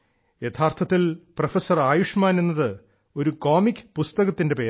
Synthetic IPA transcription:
je̞t̪ʰaːrt̪ʰɐt̪ːilprɐfesɐraːjuʂmaːne̞nːɐðɨ | o̞ɾuko̞ːmikʲːɨ̥pust̪ɐɣɐt̪ːinde̞peː

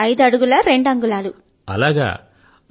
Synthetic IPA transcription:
ɐjd̪uɐɽuɡulɐɾe̞ɳɖɐŋɡulaːlu | ɐ̰laːɡa̰ː

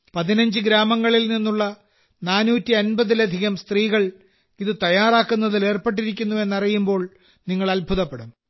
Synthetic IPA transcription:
pɐðinɐɲd͡ʑɨɡɾaːmɐŋːɐɭilninːuɭːɐ | naːnuːtːiɐnbɐðilɐd̪ʱiɣɐmst̪riːɣɐɭ | iðɨt̪ɐjaːraːkːunːɐðile̞ːrpeʈ̬ːiɾik̬ʲːunːue̞nːɐrijumbo̞ːɭ | niŋːɐɭɐlbʱuðɐpːeɽum

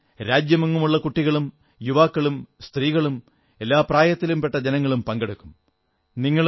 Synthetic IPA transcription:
ɾaːd͡ʑjɐmuŋːumuɭːɐkuʈːiɣɐɭum | juʋaːkːɐɭumst̪riːɣɐɭum | e̞lːaːpraːjɐt̪ːilumpe̞ʈːɐd͡ʑenɐŋːɐɭumpɐŋɡeɽukːum | niŋːɐɭ

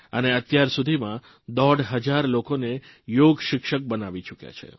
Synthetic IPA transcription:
əneət̪jaɾsud̪ʱimã | d̪ɔɽɦəd͡ʒaɾlokone | joɡʃɪkʃək̚bənaʋit͡ʃukja̰t͡ʃʰḛ

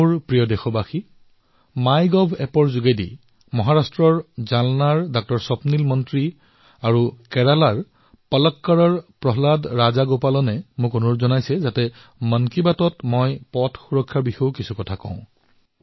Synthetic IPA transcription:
ɹpɹijɔdɛxɔbaxi | majɡɔbʱɛpɔɹzuɡedḭ | mɔɦaɹastɹɔɹzalnaɹdɔk̚tɔɹsɔpnilmɔntɹi | aɹukɛɹalaɹ | pɔlɔkːaɹɔɹpɹɔɦladɹazaɡopalɔnɛmũkonʊɹzɔnajsɛzatɛ | mənkibatɔtmɔjpɔtʰxuɹɔkʰːaɹbixɔwkisukɔtʰakɔ̰̃ʊ̃

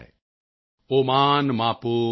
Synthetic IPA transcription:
omaːnmaːpo

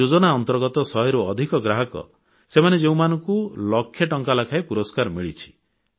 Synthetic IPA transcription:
od͡ʒɔnaɔnt̪ɔɾɡɔt̪ɔsɔɦeɾuɔd̪ʱikɔɡɾaɦɔkɔ̰ | semaned͡ʒeũmanɔŋkulɔkʰːjɔʈɔŋkalakʰajpuɾɔskaɾmiɭit͡ʃʰi̥

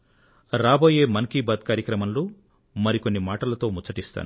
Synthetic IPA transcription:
ɾaːbo̞ːje̞ːmɐnɐkiːbaːd̪kaːɾjɐkɾɐmɐmloː | mɐɾiko̞nːimaːʈɐlɐt̪o̞ːmut͡ʃːɐʈist̪a̰ːnu

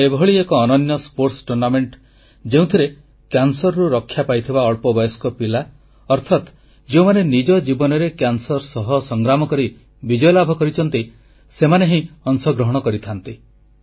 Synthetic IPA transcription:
ebʱɦɔɭiekɔːnɔnjɔspoɾʈsʈuɾnameɳʈ | d͡ʒeũt̪ʰiɾe | kjansɔɾɾuɾɔkʰːjapajt̪ʰibaɔɭpɔbɔjɔskɔpila | ɔɾt̪ʰat̪ | d͡ʒeũmanenid͡ʒɔd͡ʒibɔnɔɾekjansɔɾsɔɦɔsɔŋɡɾamɔkɔɾi | bid͡ʒɔjɔlabʱɔkɔɾit͡ʃʰɔnt̪i | semaneɦĩɔŋsɔɡɾɔɦɔɽ̃ɔkɔɾit̪ʰant̪i

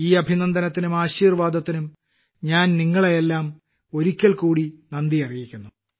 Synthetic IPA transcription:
iːɐbʱinɐnd̪ʱɐnɐt̪ːinumaːɕiːrʋaːd̪ʱɐt̪ːinum | ɲaːnniŋːɐɭeelːaːm | o̞ɾikʲːɐɭkuːɽinɐnd̪iɐrijikʲːunːu

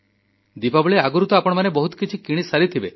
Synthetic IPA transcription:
d̪ipabɔɭeaɡuɾut̪ɔapɔɽ̃ɔmanebɔɦut̪ɔ̥kit͡ʃʰikiɽ̃isaɾit̪ʰibe

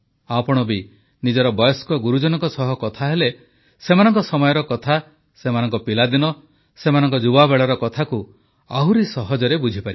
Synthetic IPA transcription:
apɔɽ̃ɔbi | nid͡ʒɔɾɔbɔjɔskɔɡuɾud͡ʒɔnɔŋkɔsɔɦɔkɔt̪ʰaɦele | semanɔŋkɔsɔmɔjɔɾɔkɔt̪ʰa | semanɔŋkɔpilad̪inɔ | semanɔŋkɔd͡ʒubabeɭɔɾɔkɔt̪ʰaku | aɦuɾisɔɦɔd͡ʒɔɾebud͡ʒʱipaɾi

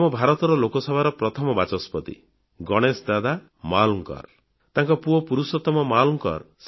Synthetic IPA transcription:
mɔbʱaɾɔt̪ɔɾɔlokɔsɔbʱaɾɔpɾɔt̪ʰɔmɔbat͡ʃɔspɔt̪ḭ | ɡɔɽ̃esd̪ad̪a | malɔŋkɔ̰ɾ | t̪ãŋkɔpuɔpuɾusɔt̪ːɔmɔmalɔŋkɔ̰ɾs

